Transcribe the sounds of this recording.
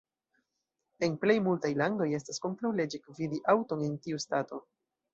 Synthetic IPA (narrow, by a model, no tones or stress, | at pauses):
e̞nple̞jmultajlando̞je̞stasko̞ntɾawle̞d͡ʒikvidiʔawto̞ne̞ntiustato̞